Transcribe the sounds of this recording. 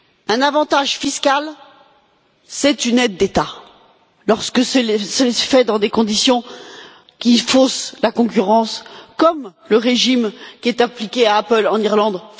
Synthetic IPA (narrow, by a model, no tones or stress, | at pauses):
ɛ̃navɑ̃t̪aʒfiskal | sɛt̪ynɛd̪ːet̪a | lɔʁskəsɛlsəfɛd̪ɑ̃d̪ekɔ̃d̪isjɔ̃ | kʲifoslakɔ̃k̬ʲyʁɑ̃skɔmləʁeʒimkʲiɛt̪ãplikʲeaːpəlɑ̃niʁlɑ̃d̪